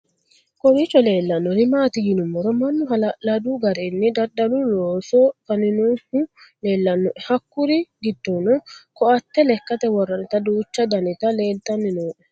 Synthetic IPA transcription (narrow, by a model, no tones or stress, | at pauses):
kɔɾit͡ʃːɔle̞ːlːɐnːɔnɪmaːt̪ɪjɪnʊmːɔɾɔmɐnːʊɦɐlɐd̪uɡɐɾeːnːɪd̪ɐɗɐlʊloːsɔkɐnɪnɔhʊle̞ːlːɐnːɔʔɛhɐkːʊɾɪɡɪd̪ːoːnɔkɔʔɐt̪ːɛlɛkːɐt̪ɛwɔrːɐnɪt̪ɐd̪uːt͡ʃːɐd̪ɐnɪt̪ɐle̞ːlt̪ʼːɐnːɪnoːʔɛ